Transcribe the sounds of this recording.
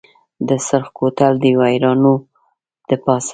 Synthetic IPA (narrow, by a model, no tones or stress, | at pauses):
d̪əsaɾxkot̪ald̪əwajɾɑno | d̪̥əpɑs